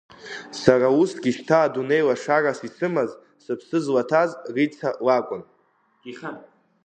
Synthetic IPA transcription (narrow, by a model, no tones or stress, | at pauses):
sarausɡʲiʃtʰaːdune̞jlaʂarasit͡sʰɨmaz | sɨpʰsɨzlatʰazrit͡sʰalakʷʼʊn | χa